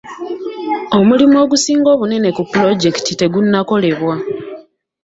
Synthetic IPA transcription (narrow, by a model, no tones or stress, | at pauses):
o̞mulimo̞ːɡusiːŋɡo̞ːβune̞ne̞kupːlo̞ɟe̞ktite̞ɡunːako̞le̞βwa